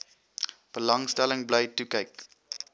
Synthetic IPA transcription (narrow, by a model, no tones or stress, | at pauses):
b̥əlɐŋstæləŋbləjtukəjk